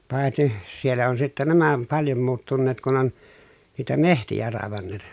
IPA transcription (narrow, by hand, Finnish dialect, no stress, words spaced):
pɑˑeti sielːæ on sitːæ næmæ om pɑljom muːtːunːeːt kun on niːtæ mehtijæ rɑˑeʋɑnːeːt